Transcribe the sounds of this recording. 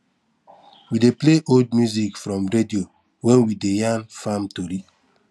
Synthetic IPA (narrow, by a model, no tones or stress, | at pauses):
widepleʔold̚mjuzikfɾɔ̃mɾedio | wɛ̃nwidejãnfãmtoɾi